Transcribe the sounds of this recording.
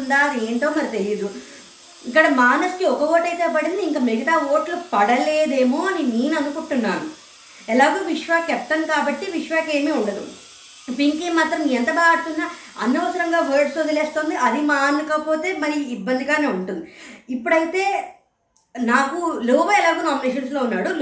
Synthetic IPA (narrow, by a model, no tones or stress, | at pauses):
und̪aːd̪eːɳʈo̞ːmɐɾit̪elijd̪u | ikːɐɽɐmaːnɐskiɔkɐʋoːʈɐjt̪e̞ːpɐɽind̪iŋkɐmeɡɐt̪aːo̞ːʈlupɐɽɐle̞ːd̪e̞ːmoːɐniniːnɐnukuɳʈunːaːnu | ɛlaːɡoːʋiʂʋaːkɛp̚t̪ɐnkaːbɐʈːiʋiʂʋaːke̞ːmiːuɳɖɐd̪ṵ | piŋkimaːt̪ɾɐmniːɛnt̪ɐbaːɡɐt̪ːund̪aː | ɐ̰nːɐʋɐsɐɾɐŋɡaːʋeːɾɖsod̪ɐleːst̪o̞ːnd̪iʔɐd̪imaːnɐkɐpo̞ːt̪e̞ːmɐɾiːbːɐnd̪iɡaːne̞ːuɳʈund̪iipːuɽɐjit̪e̞ː | naːkuluːʋɐɛlaːɡoːnaːmineːʃɐnslo̞ːunːaːɽu